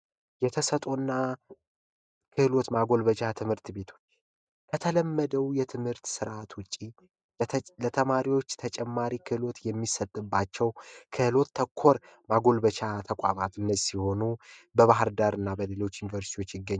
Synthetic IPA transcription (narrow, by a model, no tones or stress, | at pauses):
jɛt̪ʰəsət̪ʼonːa | kʰɨhɨlo̞t̪maɡo̞lβət͡ʃat̪ʰɨmhɨɾt̪be̞t̪ʰo̞t͡ʃː | kʰət̪ʰələmːəd̪əwjɛt̪ʰɨmhɨɾt̪sɨɾʔat̪wʊt͡ʃʼːi | lət̪ʰəmaɾiwo̞t͡ʃːt̪ʰət͡ʃʼɛmːaɾikʰɨhɨlo̞t̪jɛmːisət̪ʼːɨbːat͡ʃːɛwkʰɨhɨlo̞t̪ːʰəkʰːo̞ɾmaɡo̞lbət͡ʃʰat̪ʰəkʼa̰mat̪ɨnːəsiho̞nubəβaɦɨɾd̪aɾɨnːabəle̞lo̞t͡ʃːjunivəɾsi̥t̪ʰiwo̞t͡ʃːjɪɡːəɲː